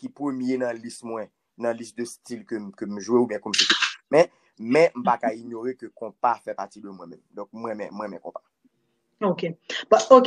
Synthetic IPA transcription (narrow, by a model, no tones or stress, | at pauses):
kipʁømjenɐ̃lismwɛ̃ | nɐ̃lisd̪østilkøkøm̩ʒweubjɛ̃kum̩fetimɛ̃ | mɛ̃m̩pakaiɲoʁekøkɔ̃pafɛpatidømwɛ̃mɛ̃md̪ɔ̃k̚mwɛ̃mɛ̰̃mwɛ̃mɛ̃kɔ̃pḁ | okebɔok